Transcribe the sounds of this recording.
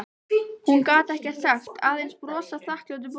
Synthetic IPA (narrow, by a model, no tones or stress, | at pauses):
hunkaːt̪ɛhcɛ̥saxt̪aːðenspɾɔːsaθlahklawt̪̬ʏp